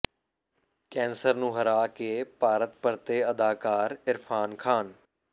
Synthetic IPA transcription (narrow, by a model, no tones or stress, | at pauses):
kɛ̃ːnsəɾnũːɦəɾaːkepaːɾət̪̚pəɾt̪eːəd̪aːkaːɾɪɾpʰaːnkʰaːn